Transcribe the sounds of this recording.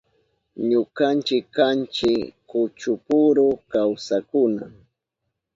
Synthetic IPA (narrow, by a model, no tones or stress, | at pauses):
ɲʊkant͡ʃɪkːant͡ʃɪkʊt͡ʃʊpʊɾʊkawsakʊna